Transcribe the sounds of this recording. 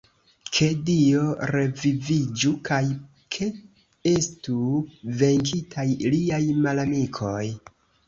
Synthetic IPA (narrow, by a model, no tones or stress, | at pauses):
kʰe̞dio̞ɾe̞vivid͡ʒukʰaj | kʰe̞ | e̞stuve̞ŋkitʰajliajmalamikʰo̞j